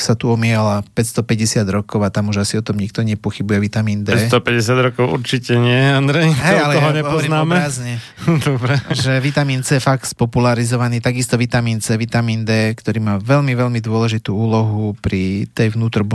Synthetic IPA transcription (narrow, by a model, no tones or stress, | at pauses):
sat̪uɔmɪɛlapɛcst̪ɔpɛɟɛsɪad̪ɾɔkɔʊat̪amuʒasiɔt̪ɔmɲik̚t̪ɔɲɛpɔxibujɛʋit̪amiːnd̪ɛːst̪ɔpɛɟɛsɪad̪ɾɔkɔʊṵɾt͡ʃicɛɲɪɛand̪ɾɛjɦtɛjalɛɔɦɔɲɛɔɔɔɾinaːɔmɛaːzɲɛ | d̪ɔbɾɛʒɛʋit̪amiːnt͡sɛjɛfakt̪spɔpulaɾizɔʋaniːt̪aɡist̪ɔʋit̪amiːnt͡sɛʋit̪amiːnd̪ɛːkt̪ɔɾiːmaːʋɛlmiʋɛlmid̪ʊɔlɛʒit̪uːuːlɔɦupɾit̪ɛjʋnuːt̪ɾb